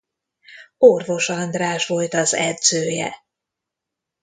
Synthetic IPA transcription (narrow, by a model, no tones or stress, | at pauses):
orvo̞ʃɒnd̪raːʃvo̞lt̪ɒzɛd̪z̥øːjɛ̰